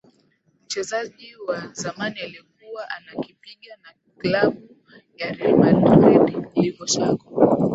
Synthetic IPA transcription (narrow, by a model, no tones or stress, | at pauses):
m̩t͡ʃɛzaʄiwazamanialik̚uwaʔanakipiɠana | klaɓu | jaɾɛmalɾɛɗilikɔsakɔ